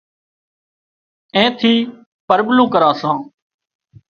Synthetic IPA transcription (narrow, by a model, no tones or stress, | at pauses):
ẽːt̪ʰiː | pəɾblũːkəɾaːsãː